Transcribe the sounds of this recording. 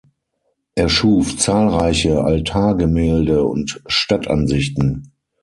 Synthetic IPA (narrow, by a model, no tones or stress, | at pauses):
ʔeːɐʃuːft͡saːlʁaɪçəʔa̰ltʰaːɐɡəmɛːldəʊ̰ntʃtatʰʔa̰nzɪçtn̩